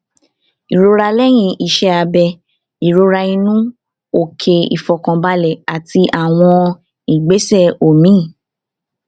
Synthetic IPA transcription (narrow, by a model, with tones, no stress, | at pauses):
i˨ɾo˧ɾa˧lɛ˦j̃ĩ˧i˨ʃɛ˧˦a˧bɛ˧ | i˨ɾo˧ɾa˧ĩ˧nũ˦ | o˨kʰe˧ḭ˨fɔ˨kã˧ba˧lɛ˨a˨ti˧ʔa˦˨w̃ɔ̃˧ | i˨ɡ͡be˨˦sɛ˦˨o˨mĩ˦˨